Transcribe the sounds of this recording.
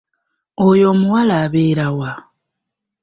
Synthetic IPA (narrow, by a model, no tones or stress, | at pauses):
ojo̞ːmuwalaːβeːɾawa